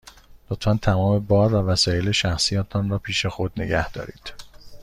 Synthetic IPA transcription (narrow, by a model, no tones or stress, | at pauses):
lot̪ʰfænt̪ʰæmɒːme̞bɒːɾvævæsɒːjeleʃæxsijɒːt̪ʰɒnrɒːpʰiːʃexo̞d̪neɡɟæhd̪ɒ̰ːɾḭːd̪̥